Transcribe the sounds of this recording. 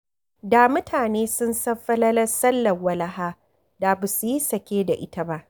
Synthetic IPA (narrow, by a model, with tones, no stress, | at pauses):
daː˨mʊ˦tʰaː˨neː˦sʊ˦nsɐ˦ɸɐ˦lɐ˦lɐ˦sɐ˦lːɐ˨wɐ˦lɐ˦ɦaː˦ | da˨ba˨su˨ji˦sɐ˨kʲeː˦da˨ʔɪ˦ta˦ba˦ʔ